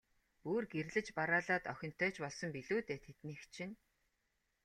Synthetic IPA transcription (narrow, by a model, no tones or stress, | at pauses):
uːrɡerɮɘ̆t͡ɕpaɾaːɮaːt̪œxʲɪ̆n̥t̪œːt͡ɕpɔɮsɞ̆mpiɮuːt̪eːt̪ʰet̪niːxt͡ɕʰɪ̆n